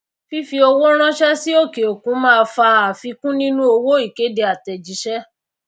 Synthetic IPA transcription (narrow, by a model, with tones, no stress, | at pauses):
fi˦fi˧o˧wo˦ɾ̃ã˦ʃɛ˦si˦o˦˨ke˨o˨kũ˨˦mãː˦˧fa˧a˨fi˧kũ˦nĩ˦nũ˦o˧wo˦i˦˨ke˨˦de˧˦a˨tɛ˨d͡ʒi˨˦ʃɛ˦